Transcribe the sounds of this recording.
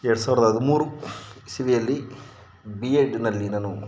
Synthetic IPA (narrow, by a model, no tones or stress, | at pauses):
ɛɾɽusaːʋiɾɐd̪ɐɦɐd̪umuːɾusiʋijɐlːi | bieɖnɐlːinɐnu